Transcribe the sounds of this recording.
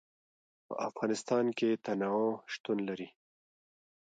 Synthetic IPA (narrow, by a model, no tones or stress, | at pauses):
pə̰ʔafɣɑnɪst̪ɑnket̪anaoʃt̪unlaɾi